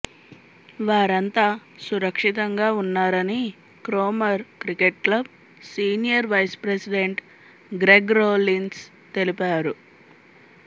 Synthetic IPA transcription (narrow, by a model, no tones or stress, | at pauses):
ʋaːɾɐnt̪aːsuɾɐkʂit̪ɐŋɡaːunːaːɾɐni | kɾoːmɐɾkɾikeʈ̚klɐb̚ | siːnijɐɾʋɐjspɾesiɖe̞ɳʈ | ɡɾeɡɾoːlins | t̪e̞lipaːɾu